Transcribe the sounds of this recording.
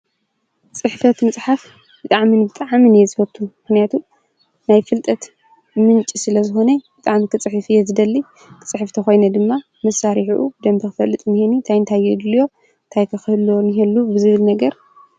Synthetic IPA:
t͡sʼɨħfɐt̪mɨt͡sʼħaf | bɨt̪ʼaʕminbɨt̪ʼaʕminjɛzɨfɐt̪ʰːumɨxnijat̪ʰu | najfɨlt̪ʼɐt̪ | mɨnt͡ʃʼisɨlɐzɨxo̞nɐb̥ɨt̪ʼaʕmikʰɨt͡sʼɨħɨfɨjɛzɨd̪ɐlːi | kʰɨ̥t͡sʼɨħɨft̪ʰɐxo̞jnɐd̪ɨmːa | mɐsaɾiħuʔṵbɨd̪ɐmt̪ʰɨkɨfɐlːɨt̪ʼmɨhinint̪ʰajɨnt̪ʰajːɛd̪ljo̞ | nt̪ʰajkʰɐxɨhɨlːoniɦelːubɨzɨβɨlnɐɡɐɾ

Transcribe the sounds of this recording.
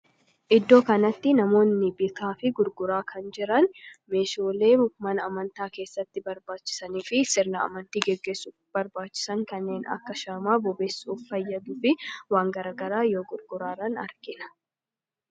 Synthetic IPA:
ʔɪd̪ːo̞ːkɐnɐt̪ːɪnɐmo̞ːnːɪbɪk̪ʰaːfɪɡʊɾɡʊɾaːkʰɐnd͡ʒɪɾɐnme̞ːʃoːle̞ːmʊkmɐnɐmɐnt̪aːke̞ːsːɐt̪ːɪbɐɾbaːt͡ʃːɪ̥sɐniːfɪsɪɾnɐɐ̰mɐnt̪iːɡɛɡːe̞ːsːu | b̥ɐɾbaːt͡ʃːɪ̥sɐŋkɐnːe̞ːnɐ̰kːɐʃaːmaːbɔbeːsːuːffɐjːɐd̪uːfɪwaːŋɡɐɾaːɡɐɾaːjoːɡʊɾɡʊɾaːrɐnɐ̰ɾɡɪnɐ̥

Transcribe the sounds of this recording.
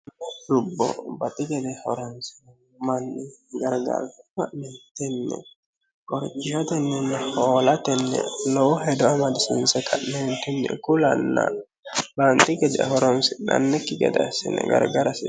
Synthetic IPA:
ɾʊbːɔ̰bɐt̪ʼɪɡɛd̪ɛhɔɾɔnsɪ | mɐnːɪɡɐɾɡa̰ɾkaʔnɛt̪ɛnːɛ̰ | kɔɾt͡ʃːɪat̪ɛnːɛnːɛhoːlɐt̪ɛnːɛ̰lɔwɔhɛd̪ɔamɐd̪ɪsʊnsɛkʰɐʔnːɛnt̪ʊnːɛ̰kʊlɐ̰nːa̰ | bant̪ɪɡɛd̪ɛ̰hɔɾɔnsɪnɐ̰nːɛkːɪɡɛ̰d̪ɛ̰sɪ̰nːɛ̰ɡɐ̰ɾɡɐɾɐsɪ

